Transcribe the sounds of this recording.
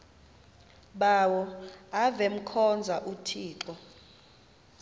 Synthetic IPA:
ɓaːwɔavem̩kʰɔnd͡zʱaʔutʰiːǁɔ

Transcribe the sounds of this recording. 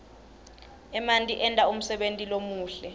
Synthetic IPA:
ɛmantʼiʔɛntʼaum̩sɛɓentʼilomuːɬɛ

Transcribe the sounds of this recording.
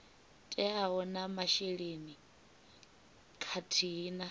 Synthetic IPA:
tʼɛaɦɔnamaʃeɺeni | kʰatʰiːna

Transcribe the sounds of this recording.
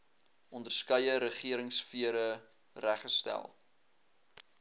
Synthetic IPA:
ʔɔndərskœjəɾəχiəɾəŋsfiəɾə | ræχəstæ̰lˠ

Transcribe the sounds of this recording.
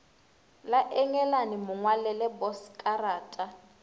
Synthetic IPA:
laʔɛŋɛlanimʊŋwalɛlɛbɔskʼaraːtʼa

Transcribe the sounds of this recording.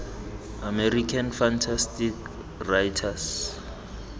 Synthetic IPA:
amɛrikʰanfantʰastik | rajtʰas

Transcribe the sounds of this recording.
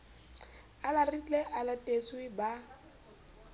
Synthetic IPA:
alarit͡ɬʼɛʔalatʼesʊɪba

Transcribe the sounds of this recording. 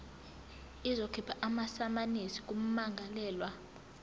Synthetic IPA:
izokʰipʰaʔamasamanisi̥k̬ʼum̩maŋɡʱalɛːlwa

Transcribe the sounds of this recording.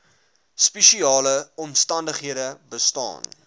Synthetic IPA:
speʃiɑːləɔmstɐndəχɦiədəbəstɑ̰ːn

